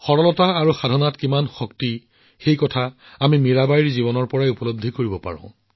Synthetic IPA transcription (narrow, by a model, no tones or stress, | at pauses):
xɔɹɔlɔtaːɹuxadʱɔnatkimanxɔkti | xejkɔtʰa | amimiɹabaiɹzibɔnɔɹpɔɹajupɔlob̚d̪ʱːikoɹibɔpa̰ɹɔ̰̃ʊ̃